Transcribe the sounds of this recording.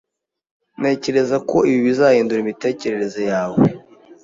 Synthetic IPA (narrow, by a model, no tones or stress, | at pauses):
ne̞ːce̞ɾe̞zako̞iβiβizaːheːnduɾimite̞ːce̞ɾe̞ɾe̞zo̞jaːwe